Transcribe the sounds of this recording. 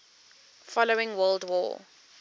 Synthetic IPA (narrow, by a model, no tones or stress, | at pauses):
fɔloɪ̃ŋwɜlˠdwɔ̰ː